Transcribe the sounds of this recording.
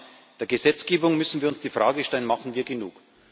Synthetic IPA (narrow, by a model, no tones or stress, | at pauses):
d̥eːɐɡəzɛt͡sɡ̥eːbʊŋmʏsn̩viːɐʊnsd̥iːfʁ̥aːɡəʃtɛlənmaχn̩viːɐɡenṵːk